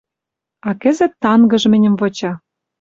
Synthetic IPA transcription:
ɑkɘ̆zɘ̆t̪ːɑnɡɤ̆ʒmɘ̆nʲɘ̆mvŏt͡ɕɑ

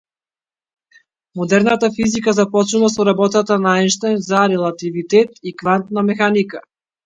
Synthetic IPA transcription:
mɔd̪ɛɾnat̪afizikazapɔt͡ʃnuvasɔɾabɔt̪at̪anaɛnʃt̪ajnzaɾɛlˠat̪ivit̪ɛt̪ikvant̪namɛxanika

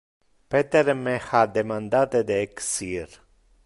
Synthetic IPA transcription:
pet̪eɾmehad̪emand̪at̪ed̪eksiːɾ

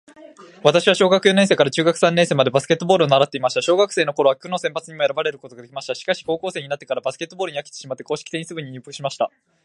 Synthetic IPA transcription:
βat̪aɕiβaɕo̞ːɡakɯ̟jo̞nẽse̞ːkaɾat͡ɕɨːɡakɯ̟̥sãnẽ̞se̞ːmad̪e̞basɨ̥ke̞t̪ːo̞bo̞ːɾɯonaɾat̪ːeimaɕi̥t̪aɕoːɡakɯ̟̥se̞ːno̞ko̞ɾo̞βakʲɯ̟no̞sẽ̞mpat͡sɨɲ̟imo̞e̞ɾabaɾe̞ɾɯ̟ko̞t̪o̞ɡad̪e̞kʲimaɕi̥t̪aɕi̥kaɕi̥ko̞ːkoːse̞ɲ̟inat̪ːekaɾabasɨ̥ke̞t̪ːoboːɾɯ̟ɲiake̥t̪e̥ɕimat̪ːe̞ko̞ːɕi̥kʲi̥t̪e̞ɲ̟isɨbɯ̟ɲ̟iɲɨːpːḁkɯ̟ɕimaɕi̥t̪a

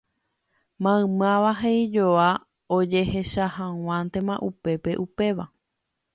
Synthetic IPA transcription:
mãɨ̃mãʋaɦeid͡ʒoa | od͡ʒe̞he̞ʃahãw̃ãnt̪ẽ̞mãʔupe̞pe̞ʔupe̞ʋa

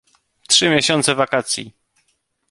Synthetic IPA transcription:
t̪ʂɘmʲjeɕɔnt̪sɛvakat̪sʲjḭ

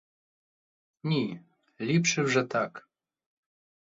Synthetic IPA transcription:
nʲi | lʲipʂɨwʐɛt̪ak

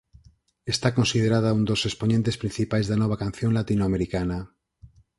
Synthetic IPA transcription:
est̪ako̞nsiðeɾaðaund̪o̞sesponẽnt̪e̞spɾĩn̟θipajzðanoβ̞akãn̟θjõnlat̪inoameɾikana

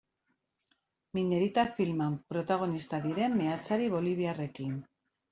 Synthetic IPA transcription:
mine̞ɾit̪afilmampɾo̞t̪aɣ̞o̞nist̪aðiɾe̞mːeat͡saɾiβ̞o̞liβ̞iare̞kin

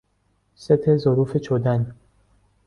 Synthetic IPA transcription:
set̪ʰezoɾuːfet͡ʃʰod̪æn

